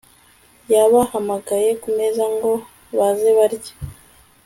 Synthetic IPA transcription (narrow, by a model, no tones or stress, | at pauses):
jaβahamaɡaje̞kume̞zaŋɡo̞ | βazeβaɾɟḁ